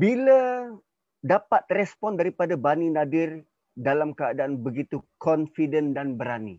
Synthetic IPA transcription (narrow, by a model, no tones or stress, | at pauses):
bila | dapat̪̚rɛspɔndaɾipadabaninadɪr | dalamkəadaʔanbəɡit̪ukɔnfidəndanbəɾanḭ